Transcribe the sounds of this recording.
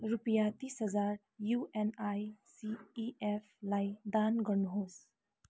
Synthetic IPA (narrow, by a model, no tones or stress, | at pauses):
ɾupijat̪isɦəzaɾ | juenajsiːepʰlajd̪anɡəɾnɦos